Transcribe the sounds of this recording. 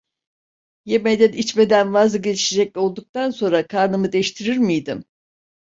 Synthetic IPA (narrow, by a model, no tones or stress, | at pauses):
jemejd̪ænit͡ʃme̞d̪ænvazlˠaɡɟe̞lʲiʃed͡ʒɛc̚lʲo̞lˠd̪uk̚t̪anso̞nɾakʰaɾnɯmɯd̪ɛʃt̪ʰiɾiɾmijd̪im